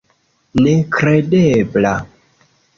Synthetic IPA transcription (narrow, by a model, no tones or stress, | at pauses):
nekɾedebla